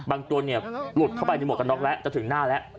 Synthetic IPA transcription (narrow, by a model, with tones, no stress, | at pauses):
baː˧ŋt̪u˧əni˥˩ɐlu˨˩t̪̚kʰa˥˩wpa˧jna˧m̚˨˩ka˧nɔ˦˥k̚lɛ˦˥ʔt͡ɕa˨˩t̪ʰɯ˩˦ŋnaː˥˩lɛ˦˥ʔ